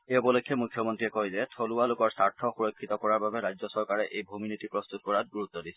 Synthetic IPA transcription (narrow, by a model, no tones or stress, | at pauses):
eɔpɔlokʰːjɔmukʰjɔmɔntɹiɛkɔjzɛtʰolualʊkɔɹsaɹtʰɔxuɹɔkʰːit̪ɔkɔɹaɹbabɛɹajd͡ʒzɔsɔɹkaɹɛʔejbʱominitipɹɔst̪ut̚kɔɹat̚ɡuɹut̪ːɔdisɛ̥